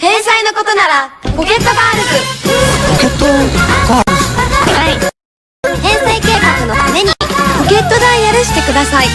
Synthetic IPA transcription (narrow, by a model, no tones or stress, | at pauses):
hẽ̞ɰ̃saino̞ko̞t̪o̞naɾapo̞ke̞t̪ːo̞baːɾɯ̟kɯ̟poket̪ːoɡaɾɯsai | hẽ̞ɰ̃saike̞ːkakɯ̟no̞t̪ame̞ɲ̟ipoke̞t̪ːo̞d̪ãɰĩjaɾɯ̟ɕi̥t̪e̞kɯ̟d̪asai